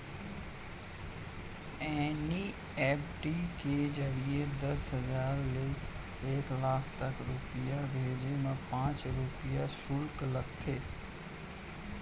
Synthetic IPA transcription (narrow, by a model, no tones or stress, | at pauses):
ɛːni | ɛːpʈikeːd͡ʒɐɾied̪ɐsɦɐzaːɾlɪ | eːklaːkʰt̪ɐkɾupijabʱeːd͡ʑemãpãːt͡ʃɾupɪjasʊlklɐɡ̚t̪ʰeː